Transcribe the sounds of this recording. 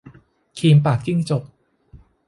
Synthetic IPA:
kʰiː˧mpaː˨˩k̚ːi˥˩ŋt͡ɕo˨˩p̚

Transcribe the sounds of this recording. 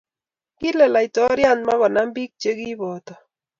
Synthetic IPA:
ki˦lɛ˨la˨jtɔ˦ɾja˦˨nma˦kɔ˨na˦mbi˦k̚t͡ʃe˦ki˦bɔ˨tɔ˨

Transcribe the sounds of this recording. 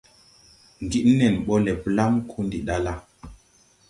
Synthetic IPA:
ŋ˨ɡi˦ʔnɛ˨nɓɔ˦lɛ˨pla˦mkʰu˦ndi˨ɗa˦la˦

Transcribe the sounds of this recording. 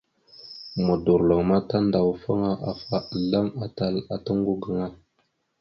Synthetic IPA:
mə˨du˨ɾlo˨ŋma˦ta˦nda˨wfa˦ŋa˦ʔa˨fa˦˨ɮa˦ma˨ta˦la˨ta˦ŋɡu˦ɡə˨ŋa˦

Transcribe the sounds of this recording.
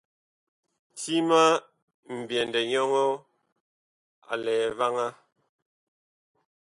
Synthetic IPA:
ti˦ma˦ | m̩˨bjɛ˨ndɛ˨ɲɔ˦ŋɔ˦ | a̰˨lɛː˨va˦ŋa˦

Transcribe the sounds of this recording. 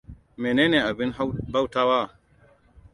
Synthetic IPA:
me˨neː˦ne˨a˨bɪ˦n˦ba˦wtaː˦wa˦˨

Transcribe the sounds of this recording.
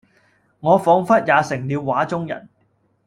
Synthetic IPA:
ŋɔː˨˧fɔː˨˧ŋfɐ˥t̚jaː˨˧sɪ˨˩ŋliː˨˧wːaː˨˥t͡sʊ˥ŋjɐ̰˨˩n

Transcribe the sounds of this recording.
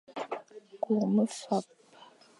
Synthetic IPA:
ku˨ʁmə˦fa˨p̚

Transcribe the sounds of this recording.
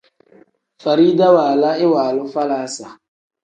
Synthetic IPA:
fa˨ɾiː˦da˦waː˨la˦ɪ˦waː˨lʊ˦fa˦laː˦sa˨

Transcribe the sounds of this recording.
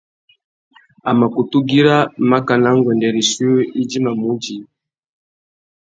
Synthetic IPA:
a˨ma˨ku˨tu˦ɡi˦ɾa˦ma˦ka˨na˦ŋɡwɛ˨ndɛ˨ɾi˨su˦o˦i˦d͡ʒi˦ma˨mu˦d͡ʒi˨

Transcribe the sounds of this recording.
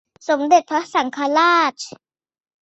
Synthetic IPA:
so˩˦mde˨˩t̪̚pʰɾa˦˥sa˩˦ŋkʰa˧laː˥˩t͡ɕ

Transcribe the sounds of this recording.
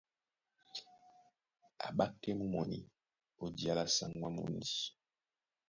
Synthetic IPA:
a̰˨ɓa˦kːɛ˦mu˦mɔ˨nḭ˨ | o˨di˨a˦la˦sa˦ŋwa˦mṵ˨ndi˨˦

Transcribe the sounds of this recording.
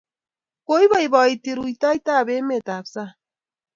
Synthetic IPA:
ko˦jβa˦jβa˨jt̪iɾu˨jt̪a˦jt̪a˦˨βe˦me˨t̪a˨bsa˦

